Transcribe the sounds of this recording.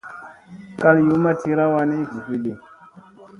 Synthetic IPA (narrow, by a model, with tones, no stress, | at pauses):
ka˦lju˨˦ma˦tʰi˧ɾa˦wa˧ni˦ɡu˨fi˦ɗi˨